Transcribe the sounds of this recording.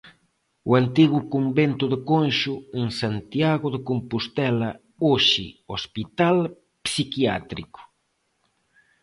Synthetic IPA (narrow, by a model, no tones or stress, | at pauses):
uant̪iɣʊkumbent̪ʊðekonʃueŋsant̪jaɣʊðekompust̪ɛlɐ | oʃḭospit̪al | psikiat̪ɾikʊ̥